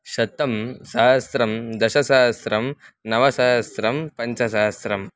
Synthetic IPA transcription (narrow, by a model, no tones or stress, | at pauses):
ʃɐt̪ɐmsaːɦɐsɾɐmd̪ɐʃɐsaːɦɐsɾɐmnɐʋɐsaːɦɐsɾɐmpɐɲt͡ʃɐsaːɦɐsɾɐm